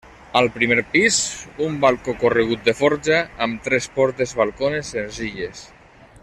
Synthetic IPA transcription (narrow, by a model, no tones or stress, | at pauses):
alˠpɾimeɾpizumbalˠkokoreɣ̞ut̪̚d̪efɔɾʒaːmt̪ɾɛspɔɾt̪ezβalˠkonesːenziʎes